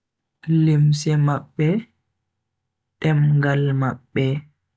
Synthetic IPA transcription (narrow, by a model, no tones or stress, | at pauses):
limsɛmaɓːɛ | tɛmɡalmaɓːɛ